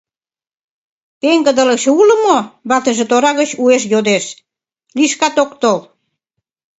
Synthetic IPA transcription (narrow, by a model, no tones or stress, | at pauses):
t̪eŋɡə̆d̪ə̆lə̆kʃeulə̆moβɑt̪əʒĕt̪oɾɑɣət͡ɕueʃ̬jod̪eʃ | liʃkɑt̪okt̪ol